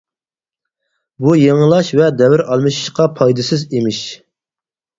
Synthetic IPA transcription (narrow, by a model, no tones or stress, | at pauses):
bujeŋəlˠɑʃvɛd̪ɛvɪɾɑlˠmɨʃi̥ʃqɑpʰɑjd̪ɨsɨzemɪʃ